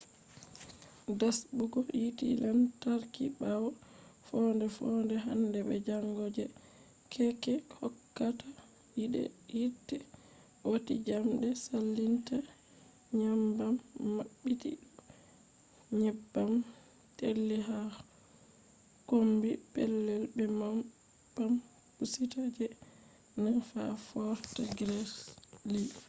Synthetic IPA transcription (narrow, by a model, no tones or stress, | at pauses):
dasbuɡɔjitḭlʔantaɾkḭɓawɔfɔndɛfɔndɛɦandɛbɛ̰d͡ʒaŋɡɔd͡ʒɛ | kʰɛkɛhɔkːata | jiɗɛ̰jitːɛ | wotḭd͡ʒamdɛsalːinta | ɲambamːaɓːitḭ | ɲɛbːam | telːiɦa | kombipɛlːɛlbɛma | bam | pusitad͡ʒɛ | nanfa̰fɔɾtaɡɾɛsli